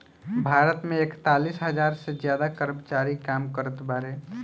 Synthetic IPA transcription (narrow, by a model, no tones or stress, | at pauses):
bʱaɾət̪meekt̪alisɦəd͡ʒaɾsed͡ʒjad̪akəɾəmt͡ʃaɾikamkəɾət̪baɾe